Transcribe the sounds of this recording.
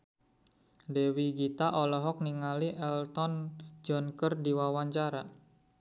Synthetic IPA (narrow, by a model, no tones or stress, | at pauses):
dewiɡit̪aʔɔlɔɦɔk̚niŋaliʔɛlt̪ɔnd͡ʒɔnkərdiwawaɲt͡ʃaɾa